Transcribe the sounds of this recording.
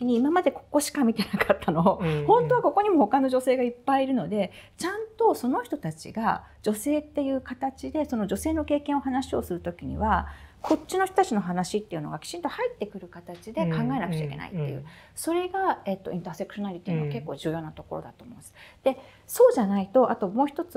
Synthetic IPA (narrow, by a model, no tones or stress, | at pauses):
kʲiɲ̟iːmamad̪e̞ko̞̥kːo̞ɕi̥kamʲit̪e̞nakat̪ʰːano̞hõ̞nt̪o̞βako̞ko̞ɲ̟imo̞ho̞kano̞ʑo̞se̞ːɡaipːaiɾɯ̟no̞d̪e̞t͡ɕãnt̪o̞so̞no̞çi̥t̪o̞t̪at͡ɕḭɡa | d͡ʑo̞se̞ːt̪ːe̞jɯ̟ːkat̪at͡ɕid̪e̞so̞no̞d͡ʑo̞se̞ːno̞ke̞ːkẽɰ̃o̞ɦanaɕio̞sɨɾɯ̟t̪o̞kʲiɲ̟ḭβako̞t͡ɕt͡ɕːino̞çʲt̪oat͡ɕino̞ɦanaɕit̪ːe̞iɯ̟noɡakʲi̥t͡ɕĩnt̪o̞hait̪ːe̞kɯ̟ɾɯ̟kat̪at͡ɕid̪e̞kãŋɡae̞nakɯ̟t͡ɕaḭkʲe̞na̰ḭt̪ːejɯ̟ː | so̞ɾe̞ɡae̞t̪ːo̞ʔĩnt̪aːse̞kɯ̟̥ɕo̞naɾʲit̪iːmoke̞kːo̞ːʑɨ̟ːjo̞ːnat̪o̞ko̞̰ɾo̞̰d̪a̰t̪oːmõ̞̰ːd̪esɨ̥d̪̥e̞ | so̞ːʑanait̪o̞ʔat̪o̞mo̞ːçit̪o̞t͡sɨ